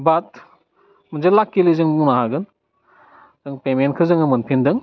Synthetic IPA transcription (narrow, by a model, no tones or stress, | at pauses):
bat̚ | mɯnzelakːilizɯŋbuŋnaɦaɡɯn | z̥ɯŋpementkʰɯzɯŋɯmɯnpʰindɯŋ